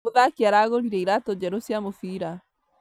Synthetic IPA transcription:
oðakaɾaɣoɾiɾɛiɾatɔd͡ʒɛɾosiamofiɾa

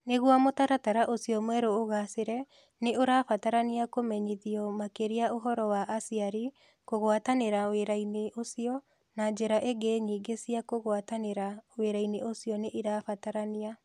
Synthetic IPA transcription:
neɣwamotaɾataɾaʔosiɔmwɛɾoːɣaseɾɛ | neoɾafataɾaniakomɛɲiðiɔmakeɾiaoɦɔɾɔwaʔasiaɾi | koɣwataneɾaweɾaineʔosiɔ | nad͡ʒeɾaʔeɡeɲiːɡesiakoɣwataneɾaweɾaineʔosijɔneʔiɾaːfataɾania

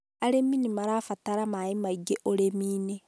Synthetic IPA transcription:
aɾemːinimaɾaːfataɾamajimaiɡeʔoɾemiːne

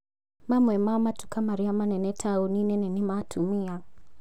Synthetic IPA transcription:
mamwɛmaɔmatu̥kamaɾiamanɛnɛtʰauninɛnɛnimatʰumia

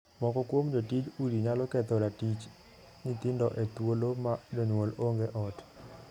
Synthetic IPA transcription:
mɔkɔkwomd͡ʒotid͡ʒuɾiɲalɔkɛt̪ɔɾatit͡ʃ | nit̪ɪndɔʔet̪wolomadɔɲwoloŋɡeʔɔt

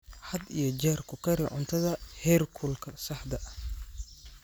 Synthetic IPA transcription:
ħɐd̪ḭjɞd͡ʒɛːrkʰʊkʰɐɾɪ̰ʕʊ̰nt̪ʰɐðɐhɛrkʰulkʰɐsɐħd̪ɐʔɐ

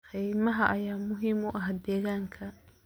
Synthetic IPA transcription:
qɛjmɐɦɐʔɐjaːmʊɦiːmʊʔɐɦd̪ɛːɣaːŋkʰɐ

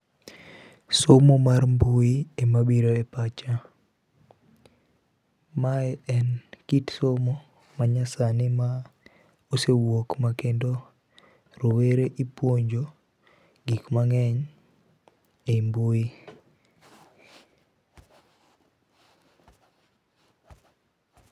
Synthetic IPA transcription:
somomarmbʊiemabiɾoepat͡ʃa | maɛɛnkitsomo | maɲasanɪma | osewokmakendo | ɾoweɾeʔipwoɲd͡ʒo | ɡikmaŋɛɲ | embui

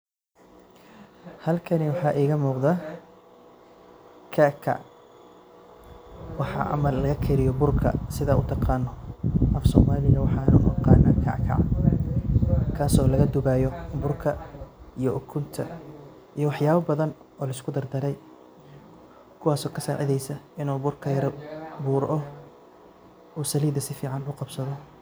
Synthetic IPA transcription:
hɐlkʰɐnɪwɑħɑːʔiːɣɐmuːqðɐ | kʰɐkʰɐ̰ | wɑħɑ̰ʔɐ̰mɐlɐɣɐkʰɛɾɪjɔbʊrkʰɐ̰sɪðɐʔʊt̪ʰɑqɑːnːɔʔɐfsɔːmaːlɪɣɐwɑħɑːnʊʔɔqɑːnɐkʰɑ̰ʕkʰɑ̰ʕ | kʰaːsɔːlɐɣɐd̪ʊβajɔbʊrkʰɐijɔʔʊkʰʊnt̪ʰɐ̰ | ijɞwɑħjaːβɐbɐðɐn | ɔːlɐɪskʰʊd̪ɐrd̪ɐɾɛj | kʰʊwaːsɔːkʰɐsa̰ːʔɛ̰ðɛjsɐɪnuːbʊrkʰɐjɐɾbuːɾʔɔ | uːsɐliːd̪ɐsɪfiːʕɑnʊqɑbsɐðɔ

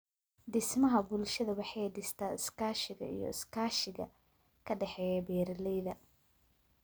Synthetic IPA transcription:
d̪ɪsmɐɦɐbʊlʃɐðɐwɑħɑjd̪ɪst̪ʰaːɪskʰaːʃɪɣɐ̰ḭjɔ̰ɪskʰaːʃɪɣɐ̰ | kʰɐɖɛħɛːjɛbɛːɾɐlɛjðɐ

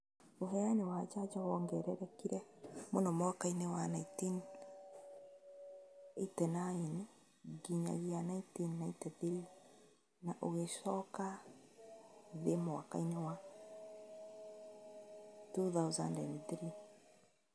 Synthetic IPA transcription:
oɦɛanewad͡ʒad͡ʒɔwɔŋɡɛɾɛɾɛkiɾɛmonɔmwakainewanaitin | etɛnaini | ɡiɲa̰ɣianaitinːaitɛðiɾi | naʔoɣeʃɔka | ðemoa̰ka̰inewa | tuθawza̰ndɛ̰ndθɾi

